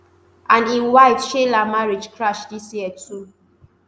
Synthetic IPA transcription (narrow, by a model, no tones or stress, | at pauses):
ʔãnĩnwaɪtʃelamaɹid͡ʒkʰɹaʃdisjiətʰu